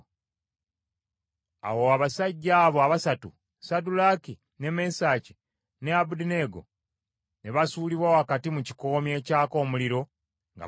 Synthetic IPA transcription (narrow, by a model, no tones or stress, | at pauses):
a̰woaβasaɟːaːβo̞aβasatu | sadulaki | ne̞me̞saːci̥ | neabudine̞ɡo̞̰ | ne̞βasuːliβwawoakatimuci̥ko̞ːmje̞ːcaːko̞ːmuliɾo̞ | ŋɡa̰